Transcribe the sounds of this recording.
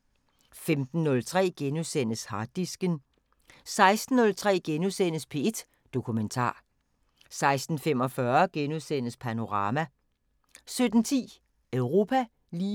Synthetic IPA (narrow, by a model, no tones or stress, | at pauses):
femd̥n̩ːɔ̽lt͡sʰʁɛ̰ːɡ̥enuðˠsen̰əshɑ̈ːd̥isɡ̥ən | sɑ̈ɪsd̥n̩ːɔ̽lt͡sʰʁɛ̰ːɡ̥enuðˠsen̰əspʰe̝e̝d̥ | d̥o̝kʰument͡sʰɑ̰̈ː | sɑ̈ɪsd̥n̩fem̰ɒ̽fɶɐɡ̥enuðˠsen̰əspʰæno̝ʁɑ̈ːmæ | sød̥n̩t͡sʰḭː | œʊʁo̝pʰæ | liː